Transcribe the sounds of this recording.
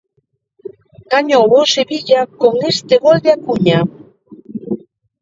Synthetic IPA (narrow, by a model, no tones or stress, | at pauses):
kaɲoβoseβiʎakoŋest̪eɣold̪eakuɲa